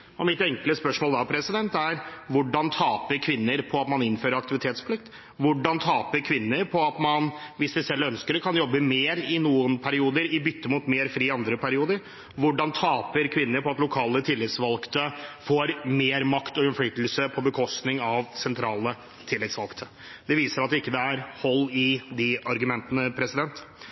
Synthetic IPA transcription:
ɔmɪt̪ɛŋkləspœʂmoːld̪ɑpʰɾɛsɪd̪ɛnt̪æɾʋʊɖɑnt̪ʰɑːpəɾkʰʋɪnːəɾpʰɔɑt̪mɑnɪnːføːɾəɾɑkt̪ɪʋɪt̪ʰeːt̪spʰlɪk̚t̪ | ʋʊɖɑnt̪ʰɑːpəkʰʋɪnːəɾpʰɔɑt̪mɑnʋɪsd̪ɪsɛlːœnskəɾkʰɑnjɔbːəmeːɾɪnuːənpʰæɾɪuːd̪əɾɪbʏt̪ːəmʊt̪meːɾfɾiːɑnd̪ɾəpʰæɾɪuːd̪əɾ | ʋʊɖɑnt̪ʰɑːpəɾkʰʋɪnːəɾpʰɔɑt̪lʊkʰɑːlət̪ʰɪlːɪt̪sʋɑlkt̪ʰəfoːɾmeːɾmɑkt̪ɔʉnflyːt̪l̩səpʰɔbəkʰɔst̪nɪŋɑʋsɛnt̪ʰɾɑːlə | t̪ʰɪlːɪt̪sʋɑlkt̪ʰə | d̪̥ɛʋiːsəɾɑt̪̚d̪ɛɪkːəd̪ɛæɾhɔlːɪd̪ɪɑɾɡʉmɛnt̪ənəpʰɾɛsɪd̪ɛnt̪

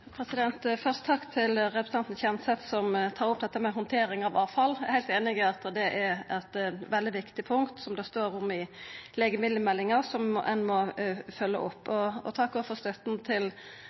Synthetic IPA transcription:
pʰɾɛsɪd̪ɛnt̪fœʁst̪ət̪ʰɑkːt̪ʰɪlɾɛpɾst̪ɛnt̪n̩çɛmsɛt̪sɔmt̪ʰɑːɾʊp̚d̪ɛt̪ːəmɛɦɔnt̪ʰeːɾɪŋɑʋɑːfɑlæhæɪt̪eːnɪɡɪɑt̪d̪ɛʔɛɾɛt̪ʋɛld̪ɪʋɪkt̪ɪpʰʊŋkt̪sɔmd̪ɛst̪oːɾʊmɪlɛɡəmɪd̪ləmɛlːɪŋəɾsɔmʔɛnmɔfœlːə̰ʔʊpːɔɔ̰t̪ʰɑkːɔfɔʁst̪œt̪n̩t̪ʰɪl

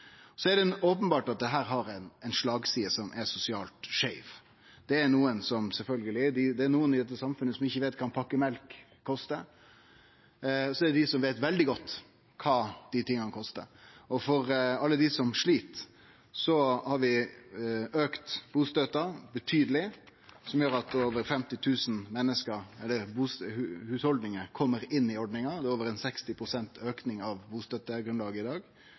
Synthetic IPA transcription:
sɔæɖ̪ɛoːpənbɑːʈɑt̪̚d̪ɛɦæːɾɦɑɾæɪnɛɪnʂɭɑːɡsiːəsɔmʔæɾsʊsɪɑːlt̪ʂæɪʋ | d̪̥ɛːɾnuːənsɔmsɛlfœlɡəlɪd̪ɪd̪ɛːɾnuːənɪd̪ɛt̪ːəsɑmfʉnːəsɔmʋɪçːəʋeɪt̪kʰɑnpʰɑkːəmɛlkʰː | ɔst̪ə | sɔɛɖ̪ɛd̪ɪsɔmʋeɪt̪ʋɛld̪ɪɡɔt̪ː | kʰɑːd̪̥ɪt̪ʰɪŋːɑnəkʰɔst̪ə̰ɔfɔɾɑlːəd̪ɪsɔmʂɭiːt̪ | sɔhɑɾʋɪ | øːkt̪b̥uːst̪øt̪ɑbət̪ʰyːd̪əlɪsɔmjøːɾɑt̪oːʋəɾfɛmt̪ɪt̪ʰʉːsn̩mɛnːəskəɾɛlːəɾbuːsʉhʉːshɔld̪nɪŋəkʰɔmːəɾɪnːɪɔɖnɪŋɑd̪ɛːoːʋəɾɛnsɛkst̪ɪpʰɾʊsɛnt̪ʰøːknɪŋɑʋbuːst̪øt̪əɡɾʉnlɑːɡəɪd̪ɑːɡ

